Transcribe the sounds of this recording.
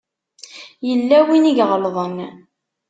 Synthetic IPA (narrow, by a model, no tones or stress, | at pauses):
jəlːæwiniʝʁəlðˤən